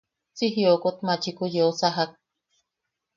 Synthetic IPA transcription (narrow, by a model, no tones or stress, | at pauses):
t͡siɦiokot̪mat͡ʃikujeosaɦak̚